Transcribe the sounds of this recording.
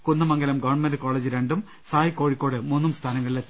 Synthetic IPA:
kunːɐmɐŋɡɐlɐmɡɐʋɳmɐndɨko̞ːɭed͡ʑɨɾeɳɖum | saːjikːoːɻikːoːɽɨmuːnːumst̪ʰaːnɐŋːɐɭilet̪ː

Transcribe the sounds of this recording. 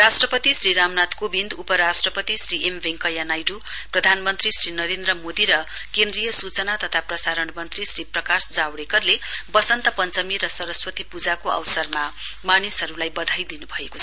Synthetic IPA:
rasʈrʌpʌt̪isriɾamnat̪kobind̪upʌɾasʈrʌpʌt̪isriʔembeŋkʌjanajɖuprʌd̪ʱanmʌnt̪risrinʌɾend̪rʌmod̪iɾʌ | kend̪rijʌsut͡sʌnat̪ʌt̪ʰaprʌsaɾʌɳmʌnt̪risriprʌkasd͡zawɽekʌrlebʌsʌnt̪ʌpʌnt͡sʌmiɾʌsʌɾʌswʌt̪ipud͡zakoʌ̰wsʌrma | manisɦʌɾulajbʌd̪ʱajd̪inubʱʌekot͡sʰʌ

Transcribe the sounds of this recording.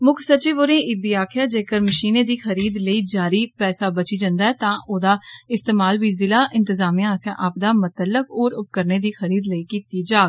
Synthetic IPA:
mʊkʰsət͡ʃiːʋoɾẽːʔɪbiːaːkʰɪjaːd͡ʒeːkəɾməʃiːned̪iːxəɾiːd̪ləiːd͡ʒaːɾiːpɛːsaːbət͡ʃid͡ʒə̃nd̪aːɦɛːt̪ãːʔoːd̪aːɪst̪eːmaːlbiːzɪlaːʔɪ̃nt̪ɪzaːmijãːsjã̰ʔɐp̚d̪aːmət̪əlːəkoːɾʊp̚kəɾneːd̪iːxəɾiːd̪ləiːkiːt̪id͡ʒaːɡ

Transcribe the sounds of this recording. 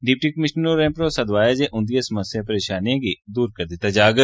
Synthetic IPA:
ɖɪp̚ʈikɐmɪʃnoɾẽːpɾosɐd̪ʋaːjad͡ʒeʔʊ̃nd̪iesməsjapɐɾeːʃaːnijãkid̪uːɾkɐɾd̪et̪ad͡ʒaːɡə

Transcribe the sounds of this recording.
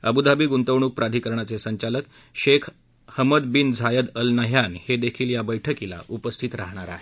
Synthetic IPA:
əbud̪abiːɡunt̪əʋɳ̃uːk̚pɾad̪ʱiːkəɾɳat͡sesəɲt͡ɕalək̚ | ɕekʰ | həməd̪bind͡zʱajəd̪əlnəɦjanhed̪ekʰiːljabəjʈʰəkila̰ʔupəst̪ʰit̪ɾaɦɳ̃aɾa̰ɦe

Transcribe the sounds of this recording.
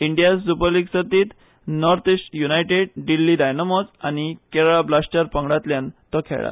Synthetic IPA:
iɳɖijassupəɾliɡsət̪iːt̪ | nɔɾt̪isʈjunajʈeɽɖilːidajnəmosañikeɭɭablasʈəɾpəŋɡɽat̪ljant̪ɔkʰḛɭa̰t̪

